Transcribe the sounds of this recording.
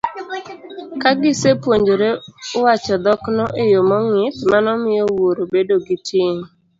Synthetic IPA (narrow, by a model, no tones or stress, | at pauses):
kaɡɪsepwoɲd͡ʒoɾeʊwat͡ʃɔd̪ɔknɔʔejomɔŋɪtmanɔmɪjɔwoɾobedoɡɪtjeŋ